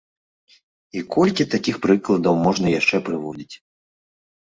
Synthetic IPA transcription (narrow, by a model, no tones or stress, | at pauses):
ikʰɔlʲkʲit̪akʲixpɾɨklˠɐd̪ɐwmɔʐnɐjaʂt͡ʂɛpɾɨvɔd͡zʲit͡sʲ